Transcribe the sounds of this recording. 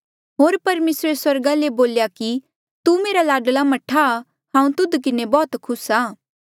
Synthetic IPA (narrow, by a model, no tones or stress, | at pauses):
ɦoːɾpɐɾmeːsɾeswɐɾɡaleboːljaki | t̪umeːɾalaːɖlamɐʈʰa | hãːũt̪ʊd̪kɪnebɔːt̪kʰʊsaː